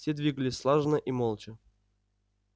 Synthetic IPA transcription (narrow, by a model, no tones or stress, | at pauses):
sʲed̪vʲiɡəlʲɪsʲslˠaʐnəʔimolˠt͡ɕɪ